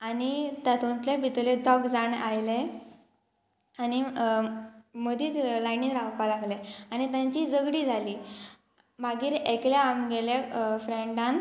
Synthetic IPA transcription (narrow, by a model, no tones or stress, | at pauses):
anit̪at̪ũnt̪lebʱit̪ledɔɡd͡zaɳajle | ani | məd̪ʱiːt̪lajninɾawpalaɡleañit̪jãɲt͡ɕid͡zəɡɽiːd͡zʱaliː | bʱaɡiːɾeklaamɡelafɾeɳɖãn